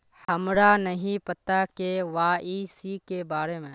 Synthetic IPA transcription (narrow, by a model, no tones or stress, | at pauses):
hɐmɾanəɦĩpɐt̪akeʋaːisikebaːɾemẽː